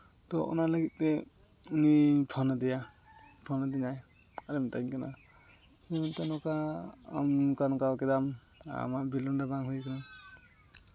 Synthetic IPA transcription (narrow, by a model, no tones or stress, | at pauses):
t̪ɔʔɔ̰nalaɡit̪̚ˀtɛ | unipʰɔnɔd̪ija | pʰɔnɔd̪inaj | aɾɛmt̪ajɲkana̰ | ɛmɔnt̪anɔka̰ːmkanɔkawkɛd̪am | a̰mabilɔndabaŋɦujkana